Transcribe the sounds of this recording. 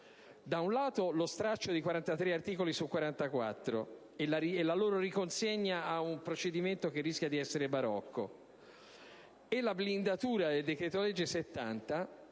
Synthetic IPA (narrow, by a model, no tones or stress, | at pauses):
d̪aunlaːt̪olost̪ɾat͡ʃːod̪ikwaɾant̪at̪ɾeart̪iːkolisukwaɾant̪akwa̰t̪ːɾo̰ | elaɾielːaloːɾoɾikonseɲːaaumpɾot͡ʃed̪iment̪ok̟erːiskʲjad̪iɛsːeɾebaɾɔ̰kːo̰ | elablind̪at̪uːɾad̪eld̪ekɾeːt̪olɛd͡ʒːeset̪ːa̰nt̪a